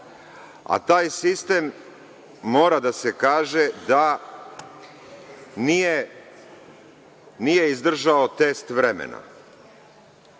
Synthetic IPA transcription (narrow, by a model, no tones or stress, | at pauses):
a̰t̪aːjsist̪e̞mː | o̞ːɾad̪ase̞kaːʒe̞d̪a | nije | nije̞izd̪r̩ʒaot̪e̞st̪ʋɾemḛna̰